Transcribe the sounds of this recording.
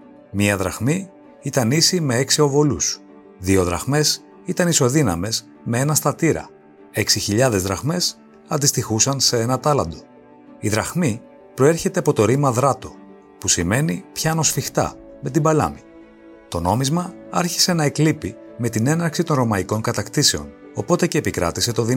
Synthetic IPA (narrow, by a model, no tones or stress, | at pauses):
miɐðɾɐ̰xmi | it̪ɐnisime̞eksio̞vo̞lus | ðio̞ðɾɐ̰xme̞s | it̪ɐniso̞ðinɐme̞z | me̞e̞nɐst̪ɐt̪iɾɐ̰ | e̞ksiçiʎɐðe̞zðɾɐxme̞s | ɐnd̪ist̪ixusɐnse̞e̞nɐt̪ɐlɐnd̪o̞ | iðɾɐxmi | pɾo̞e̞ɾçe̞t̪eɐpo̞t̪o̞ɾimɐðɾɐt̪o̞ | pusime̞nipçɐno̞sfixt̪ɐ̰me̞t̪ibɐlɐ̰mi | t̪o̞no̞mizmɐɐɾçi̥se̞nɐeklipime̞t̪ine̞nɐɾksit̪o̞nɾo̞mɐiko̞ŋkɐt̪ɐkt̪ise̞o̞̰no̞po̞t̪e̞ce̞ːpikɾɐ̰t̪ise̞t̪o̞ði